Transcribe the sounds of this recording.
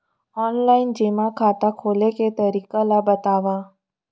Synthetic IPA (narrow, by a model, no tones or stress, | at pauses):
ɔːnlaːɪnd͡ʒemakʰaːt̪akʰoːleket̪əɾiːkalabət̪aːʋa